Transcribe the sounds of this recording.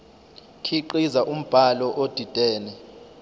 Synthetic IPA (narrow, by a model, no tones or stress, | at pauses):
kʰiǃizaʔum̩b̥ʱalɔʔod̥ʱid̥ʱɛːnɛ